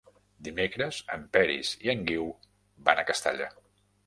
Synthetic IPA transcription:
d̪imekɾəz̥ə̰mpɛɾḭz̥iəŋɡiw | ba̰nəkəst̪a̰ʎa̰

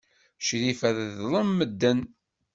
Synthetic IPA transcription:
ʃɾifæððlˤəmːəd̪ːən

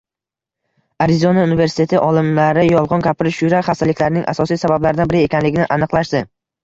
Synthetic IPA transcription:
aɾɪzonaunive̞ɾsɪ̥t̪ʰe̞t̪ʰɪʔɒlˠɪmlaɾɪjɒlˠʁɒnkʲʰapʰɪɾɪʃʊjɾaχast̪alɪkʲlaɾɪnɪŋʔa̰sɒsijsabablaɾɪd̪anbɪɾɪe̞kʲʰanlɪɡʲɪnɪʔanɨqlˠaʃd̪ɪ

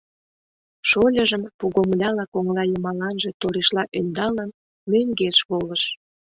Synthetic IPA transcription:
ʃolʲəʒəmpuɣomlʲɑlɑkoŋlɑjəmɑlɑnʒet̪oɾeʃlɑʔønd̪ɑlən | møŋɡeʃβoləʃ

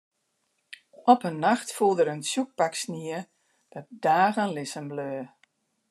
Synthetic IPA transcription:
ɔpənːaxtfulˠdəɾənsjuk̚paksniə | d̥ɔt̚d̥aːɣənlɪsəmbløː

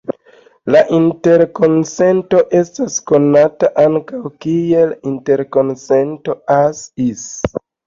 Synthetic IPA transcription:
laʔinte̞ɾko̞nse̞nto̞ʔe̞stasko̞nataʔaŋkawkie̞linte̞ɾko̞nse̞nto̞asis

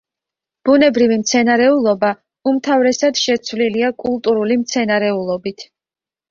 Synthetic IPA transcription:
b̥unɛbɾivimt̪sʰɛnaɾɛulˠɔba | umt̪ʰavɾɛsad̪̥ʃɛt̪sʰvliliakʼulˠt̪ʼuɾulimt̪sʰɛnaɾɛulˠɔbit̪ʰ

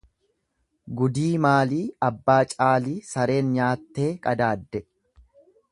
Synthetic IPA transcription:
ɡʊd̪iːmaːliːɐbːaːt͡ʃʼaːliːsɐɾe̞ːnɲaːt̪ːe̞ːkʼɐd̪aːd̪ːɛ

